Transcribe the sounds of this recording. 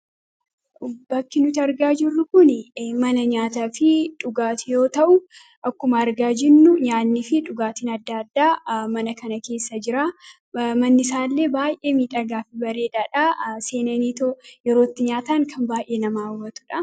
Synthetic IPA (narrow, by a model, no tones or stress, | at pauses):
bɐkːɪnʊt̪ɐɾɡaːd͡ʒɪrːʊkʊnmɐnɐɲaːt̪aːfɪᶑʊɡaːt̪ɪjo̞ːt̪ɐʔʊ | ʔɐkːʊmɐːɾɡaːd͡ʒɪnːʊɲaːnːifɪᶑʊɡaːt̪iːnɐd̪ːaːd̪ːaːmɐnɐkɐnɐke̞ːsːɐd͡ʒɪɾaː | mɐnːɪsaːlːe̞ːbaːjʔe̞ːmiːᶑʼɐɡaːfɪbɐɾe̞ːᶑaːᶑase̞ːnɐniːt̪ojɛɾo̞ːt̪ːɪɲaːt̪aːŋkʰɐmbaːjʔeːnɐmaːwɐt̪ʊ̥ᶑɐ